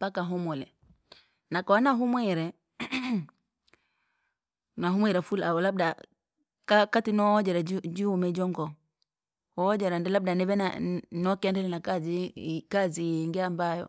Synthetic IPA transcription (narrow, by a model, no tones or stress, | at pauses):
pakaɦumɔlɛ̰ | nakaanaɦumwɛɾɛ | naɦumwɛɾɛfula̰wɔlab̚da | kakatinɔd͡ʒɛɾɛd͡ʒd͡ʒiwumɛd͡ʒɔŋɡɔ | hɔd͡ʒɛɾandɛlab̚danɛβɛna̰nɔkɛndɛlɛnakazikaziŋɡɛambajɔ̰